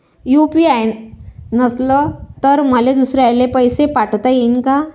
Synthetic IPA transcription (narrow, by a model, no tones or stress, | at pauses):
jupiajnəslət̪əɾməled̪usɾeajlepəjsepaʈt̪ajenka